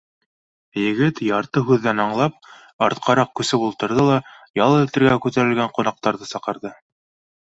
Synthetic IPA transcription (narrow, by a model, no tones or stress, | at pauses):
jɘ̆ɡɘt̪jɑɾt̪ɤɦʉðːænɑɴlˠɑp̚ | ɑɾt̪̚qʰɑɾɑq̚kʉsɘpulˠt̪ɤ̆ɾðɤlˠɑjɑlˠɤɘ̆lt̪ɘ̆ɾɡækʉt̪æɾɘ̆lɡæɴqŏnɑq̚t̪ɑɾðɤsɑqɤ̆ɾðɤ